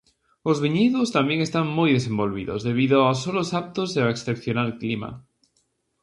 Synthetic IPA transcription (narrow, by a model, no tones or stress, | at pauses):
ozβiɲiðost̪ambjeŋest̪aŋmojðesembolβḭðozðeβ̞iðoaosolosap̚t̪ozðeaeksθepθjonalklima̰